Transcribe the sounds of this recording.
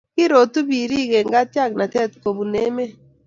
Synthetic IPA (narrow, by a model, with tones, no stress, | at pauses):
kɪ˦ɾo˨t̪u˦bi˨ɾi˦ɡe˨ŋɡa˦tja˦˨k̚na˨tɛ˦˨t̪ko˨bu˨ne˦me˦